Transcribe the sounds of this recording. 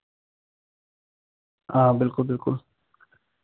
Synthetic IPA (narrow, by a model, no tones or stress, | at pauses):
ãbilkulbilkul